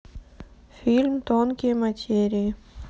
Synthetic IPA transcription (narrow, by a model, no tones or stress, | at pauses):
filmt̪oːnkemɐt͡ʃeːɾi